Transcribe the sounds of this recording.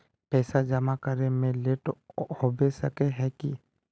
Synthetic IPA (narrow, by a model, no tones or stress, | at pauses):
pɛːsad͡ʒəmakəɾemẽleːʈhobesəkeɦɛki